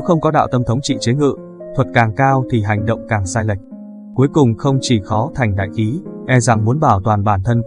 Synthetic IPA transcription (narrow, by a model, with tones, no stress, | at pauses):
ne˨˦wxə˧wŋ͡mkɔ˨˦ɗa̰ː˧˨wt̪ə˧mt̪ʰə˨˦wŋ͡mt͡ɕḭ˧˨t͡ɕe˨˦ŋɨ̰˧˨ | t̪ʰwə˨˩t̚kaː˨˩ŋkaː˧wt̪ʰi˨˩ɦa˨˩jŋ̟ɗə̰˧˨wŋ͡mkaː˨˩ŋsaː˧jla˨˩jk̟̚ | ku˨˦əjkʊ˨˩ŋ͡mxə˧wŋ͡mt͡ɕi˧˩xɔ˨˦t̪ʰa˨˩jŋ̟ɗa̰ː˧˨jxi˨˦ʔɛ˧za˨˩ŋmu˨˦ənɓaː˧˩wt̪waː˨˩nɓaː˧˩nt̪ʰə˧n